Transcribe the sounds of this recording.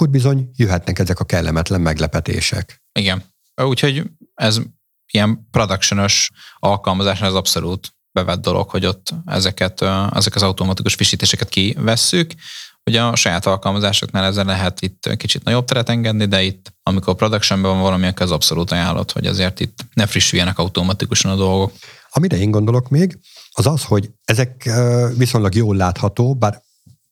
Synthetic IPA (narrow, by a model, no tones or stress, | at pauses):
oɟ̚bizo̞ɲjøɦɛt̪nɛkɛzɛkɒkɛlːɛmɛt̪lɛmmɛɡlɛpɛt̪ḛːʃɛk | iɡɛn | uːcho̞ɟɛz | ijɛmpro̞d̪ɒkʃono̞ʃɒlkɒlmɒzaːʃnaːlɛzɒpso̞luːt̪ | bɛvɛd̪̚ːo̞lʔo̰khoɟo̞t̪ːɛ̰zɛkɛt̪ɛ̰zɛkɒzɒwt̪omɒt̪ikuʃfiʃiːt̪eːʃɛkɛt̪kivɛsːykhoɟɒʃɒjaːt̪ɒlkɒlmɒzaːʃoknaːlɛzːɛlɛɦɛt̪it̪ːkit͡ʃit̪nɒɟo̞b̚t̪ɛɾɛt̪ɛŋɡɛd̪nid̪ɛit̪ːɒmiko̞rpro̞d̪ɒkʃɛmbɛvɒɱvɒlɒmiɒkːɛɛzɒpso̞luːt̪ɒjaːlːʔo̰t̪ho̰ɟɒ̰zeːrt̪it̪ːnɛfriʃːyjɛnɛkɒut̪oːmɒt̪ikuʃɒnɒd̪o̞lɡo̞k | ɒmiɾɛeːŋɡo̞nd̪o̞lo̞kmeːɡɒzɒsho̞ɟɛzɛkːvisoɲlɒɡjoːlːaːt̪hɒt̪oːbaːɾ